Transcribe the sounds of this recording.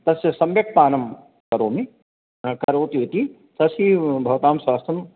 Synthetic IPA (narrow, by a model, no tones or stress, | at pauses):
t̪ɐsjɐsɐmbɐk̚paːnɐm | kɐɾoːmi | kɐɾoːt̪iʋit̪iː | t̪ɐsiːbʱɐʋt̪aːmswaːst̪ʰɐm